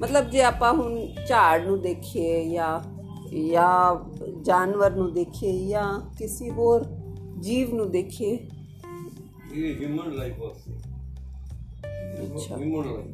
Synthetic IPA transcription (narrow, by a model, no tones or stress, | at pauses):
mət̪ləbd͡ʒeːaːpãːɦʊnt͡ʃaːɖnũːd̪eːkʰeːjaː | jaː | d͡ʒaːnʋəɾnũːd̪eːkʰeːjãːkɪsiɦoːɾd͡ʒiːʋnũːd̪eːkʰeː | iɦimənlaifose | ətːʃʰa̰ːmn